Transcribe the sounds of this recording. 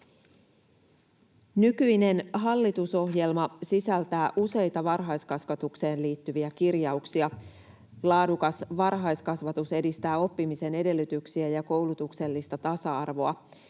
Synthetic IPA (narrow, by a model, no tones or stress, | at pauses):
nykyjne̞nɦɑlːit̪uso̞ɦje̞lmɑsisælt̪æːʔuse̞jt̪ɑʋɑrɦɑjskɑsʋɑt̪ukse̞ːnliːt̪ːyʋiækirjɑuksiɑ | lɑːdukɑsʋɑrɦɑjskɑsʋɑt̪use̞dist̪æːo̞pːimise̞ne̞de̞lːyt̪yksiæjɑko̞wlut̪ukse̞lːist̪ɑt̪ɑsɑɑrʋo̞ɑ